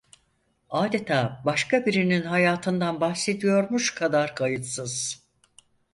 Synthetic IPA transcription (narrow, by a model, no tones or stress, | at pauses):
aːd̪e̞t̪ʰaːbaʃkabiɾininɦajaːt̪ʰɯnd̪anbahse̞d̪ijo̞ɾmuʃkʰad̪aɾkʰajɯt̪sɯz̥